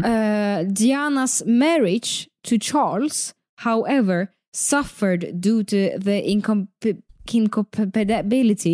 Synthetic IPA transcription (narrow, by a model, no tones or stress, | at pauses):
d̪ianasmɛɹɪdd͡ʒtʰɨt͡ʃʰɑɹls | haʊʔɛvə˞ | sʌfə˞dduːɾuðəʔɪ̃nkʰɔ | ɪ̃nkʰɔpʰbdbɪlɪti